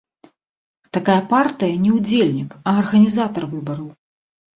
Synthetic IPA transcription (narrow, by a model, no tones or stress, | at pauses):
t̪akajɐpart̪ɨjɐnʲɛwd͡zʲelʲnʲikɐɐrɣɐnʲizat̪ɐrvɨbɐɾɐw